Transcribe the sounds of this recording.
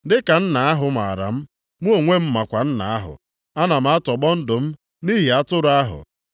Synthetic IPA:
dɪ˦ka˨n̩˦na˨a˦ɦʊ˨ma˨a˨ɾa̰˨m̩˦ | mu˦o˨ŋʷe˦m̩˦ma˨kʷa˨n̩˦na̰˨a˦ɦʊ̰˨ | a˦na˨m̩˨˦a˦tɔ˨ɡ͡bɔ˦n̩˦dʊ˨m̩˦ | ni˦ɦi˨a˦tʊ˦ɾʊ˨˦a˦ɦʊ̰˨

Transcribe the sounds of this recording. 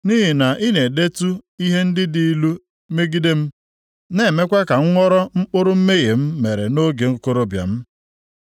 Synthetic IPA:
ni˦ɦi˨na˨ʔi˦ne˨de˦tu˦i˦ɦe˦n̩˦dɪ˦di˦i˦lu˦ | me˦ɡi˦de˦m̩˦ | ne˦˨me˦kʷe˦ka˨ŋ̩˦ŋʷɔ˦ɾɔ˦ŋ͡m̩˦k͡pʊ˦ɾʊ˦m̩˦me˦ɣe˨m̩˦me˨ɾe˨no˦ɡe˨ŋ̩˦ko˦ɾo˦bja̰˨m̩˦

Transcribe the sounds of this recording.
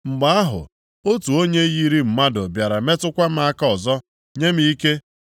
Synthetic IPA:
ŋ͡m̩˨ɡ͡ba˨˦a˦ɦʊ̰˨ | o˦tu˨o˦ɲe˦ji˦ɾi˦m̩˨ma˦dʊ˨bja˨ɾa˨me˦tʊ˦kʷa˦m̩˦a˦ka˦ɔ˨zɔ˦ | ɲe˦m̩˦i˦ke˦

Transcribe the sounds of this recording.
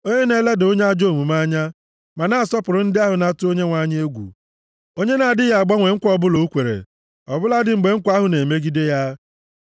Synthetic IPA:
o˦ɲe˦ne˦le˦do˦ɲe˦a˦d͡ʒo˦˨mu˨ma˦ɲa˦ | ma˨na˨sɔ˦pʊ˨ɾʊ˦n̩˦dɪ˦a˦ɦʊ˨na˦tʊ˦o˦ɲe˦ŋʷa˦ɲ˦e˦ɡʷṵ˨ | o˦ɲe˦na˨dɪ˦ja˨a˨ɡ͡bɔ˦ŋʷe˨ŋ̩˦kʷɔ˦bʊ˦lo˦u˦kʷe˨ɾḛ˨ | ɔ˨bʊ˦la˦dɪ˨ŋ͡m̩˨ɡ͡be˨ŋ̩˦kʷa˦ɦʊ˨ne˨me˦ɡi˦de˦ja˦

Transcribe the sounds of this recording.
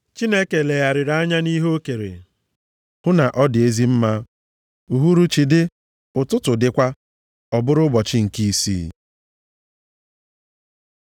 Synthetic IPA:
t͡ʃi˦ne˦ke˨le˨ja˨ɾɪ˨ɾa˦ɲa˦ni˦ɦo˦ke˨ɾḛ˨ | hʊ˦na˨ʔɔ˦dɪ˨e˦zi˦m̩˦ma˦ | u˨ɦu˦ɾu˦t͡ʃi˨dɪ˦ | ʊ˨tʊ˦tʊ˨dɪ˦kʷa˦ | ɔ˨bʊ˦ɾʊ˦bɔ˨t͡ʃɪ˦ŋ̩˨ki˦i˦sḭː˦

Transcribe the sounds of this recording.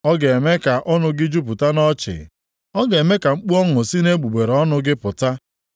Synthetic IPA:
ɔ˦ɡe˨e˨me˦ka˨ʔɔ˦nʊ˦ɡɪ˦d͡ʒu˦p̬u˨ta˦nɔ˦t͡ʃɪ̰˨ | ɔ˦ɡe˨me˦ka˨ŋ͡m̩˦k͡pu˦ɔ˦ŋʊ˨si˦ne˦ɡ͡bu˨ɡ͡be˨ɾɔ˦nʊ˦ɡɪ˦pʊ˨ta˦

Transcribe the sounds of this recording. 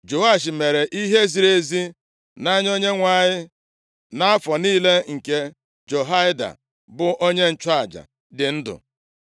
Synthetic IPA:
d͡ʒo˨a˦˨ʃ̬ɪ˨me˨ɾe˨ʔi˦ɦe˦zi˨ɾe˦zi˦ | na˦ɲ˦o˦ɲe˦ŋʷa˨ɲɪ˦ | na˦a˦fɔ˨niː˦le˦ŋ̩˨ke˦ | d͡ʒo˨ɦa˦ɪ˦da̰˨ | bʊ˨ʔo˦ɲe˦n̩˦˨t͡ʃa˦a˨d͡ʒa̰˨ | dɪ˨n̩˦dʊ̰˨

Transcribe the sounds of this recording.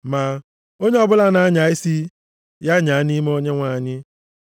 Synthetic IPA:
ma˨ | o˦ɲe˦ɔ˦bʊ˦la˦na˨˦ɲa˨ɪ˦si˦ | ja˦ɲa˨a˦ni˦me˦o˦ɲe˦ŋʷaː˦˨ɲɪ˦

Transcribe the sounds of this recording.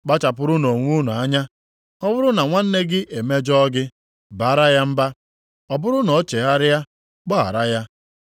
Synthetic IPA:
k͡pa˦t͡ʃa˨pʊ˦ɾʊ˦no˨ŋʷu˦nu˨a˦ɲa˦ | ɔ˦bʊ˦ɾʊ˦na˨ŋʷa˦n̩˦ne˦ɡɪ˦ʔe˨me˦d͡ʒɔ˦ɡɪ˦ | ba˨a˦ɾa˦ja˦m̩˦ba˦ | ɔ˨bʊ˦ɾʊ˦nɔ˨˦t͡ʃe˨ɣa˦ɾɪ˦ja˦ | k͡pɔ˦a̰˨ɾa˦ja˦

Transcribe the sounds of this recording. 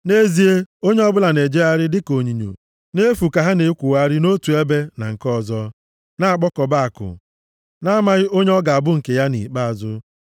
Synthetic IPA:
ne˦zi˦e˦o˦ɲe˦ɔ˦bʊ˦la˨ne˨d͡ʒe˦a˦ɾɪ˦dɪ˦ko˨ɲi˨ɲo̰˨ | ne˦fu˨ka˨ɦa˦ne˨˦kʷu˨wa˦ɾɪ˦no˦tu˨e˦be˦na̰˨ŋ̩˨kɔ˦˨zɔ˦ | na˦a˨k͡pɔ˦kɔ˨ba˦a˨kʊ̰˨ | na˦ma˨ɣɪ˦o˦ɲe˦ɔ˦ɡa˨a˨bʊ˦ŋ̩˨ke˨ja˦nḭ˨k͡pa˦a˨zʊ˦

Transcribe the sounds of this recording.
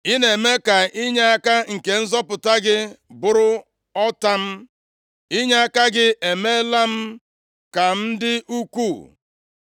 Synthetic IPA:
i˦ne˨me˦ka˨ɪ˦ɲa˦a˦ka˦ŋ̩˨ke˨n̩˦zɔ˦pʊ˨ta˦ɡɪ˦bʊ˨ɾʊ˦ | ɔ˦ta˦m̩˦ | i˦ɲa˦a˦ka˦ɡɪ˦ʔe˨me˦la˦m̩˦ | ka˨n̩˦dɪ˦ʔu˦kʷu˦˨

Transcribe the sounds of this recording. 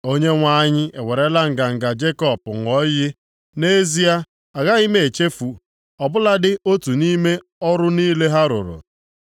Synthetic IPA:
o˦ɲe˦ŋʷa˦ɲɪ˦e˨we˨ɾe˦la˦ŋ̩˨ɡa˨ŋ̩˨ɡa˨d͡ʒe˦kɔ˨pʊ˨ŋʷɔ˦jɪ˦ | ne˦zi˦a˦ | a˨ɣa˦i˦me˦e˨t͡ʃe˦fu˨ | ɔ˨bʊ˦la˦dɪ˦o˦tu˨ni˦me˦ | ɔ˦ɾʊ˦niː˦le˦ɦa˦ɾʊ̰˨ɾʊ̰˨

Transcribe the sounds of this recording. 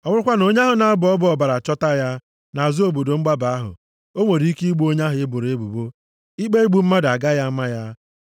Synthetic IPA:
ɔ˨ŋʊ˦ʊ˦kʷa˦no˦ɲa˦ɦʊ˨na˨a˦bʊ˨ɔ˦bʊ˦ɔ˨ba˨ɾa˨t͡ʃɔ˦ta˦ja˦ | na˨a˨zʊ˦o˦˨bo˨do˨ŋ͡m̩˦ɡ͡ba˦ba˨a˦ɦʊ̰˨ | o˦ŋʷe˨ɾi˨˦i˦ki˦ɡ͡bu˦o˦ɲa˦ɦʊ˨e˦bʊ˨ɾe˦bu˨bo˦ | i˦k͡pe˦i˦ɡ͡bu˨m̩˦ma˦da˨ɡa˦ja˦ma˦ja˦

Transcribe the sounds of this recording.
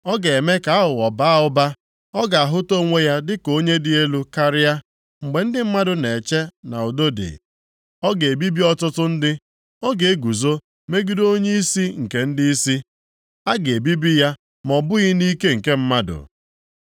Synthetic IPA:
ɔ˦ɡe˨e˨me˦ka˨˦a˦ɦʊ˨ɔ˨ba˦ʊ˦ba˦ | ɔ˦ɡa˨a˨ɦʊ˦to˦ŋʷe˦ja˦dɪ˦ko˦ɲe˦dɪ˨e˦lu˦ka˦ɾɪ˦ja˦ | ŋ͡m̩˨ɡ͡be˨n̩˦dɪ˦m̩˦ma˦dʊ˨ne˨t͡ʃe˦na̰˨o˨do˦dḛ˨ | ɔ˦ɡe˨e˨bi˦bi˦ɔ˦tʊ˦tʊ˦n̩˦dɪ˦ | ɔ˦ɡe˨e˦ɡu˨zo˦ | me˦ɡi˦do˦ɲe˦i˦si˦ŋ̩˨ke˨n̩˦di˦i˦si˦ | a˦ɡe˨bi˦bi˦ja˦ | mɔ˨bʊ˦ɣɪ˦ni˦ke˦ŋ̩˨ke˦m̩˦ma˦dʊ̰˨

